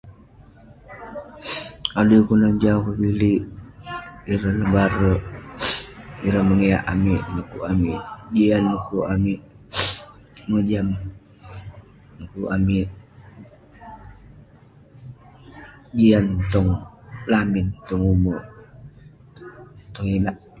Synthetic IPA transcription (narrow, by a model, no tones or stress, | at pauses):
adukunad͡ʒakobiliʔ | iɾanəbaɾoʔ | iɾaməŋeja̰ʔamiʔnəkuamiʔd͡ʒianːəkuʔamiʔ | məd͡ʒam | nəkuʔamiʔ | d͡ʒiant̪ɔŋlamint̪ɔŋumɔ | t̪ɔŋinaʔ